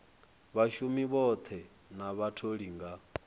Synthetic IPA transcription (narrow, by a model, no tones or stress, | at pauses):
βaʃumiβɔt̪ʰɛ | naβatʰoɺiŋɡa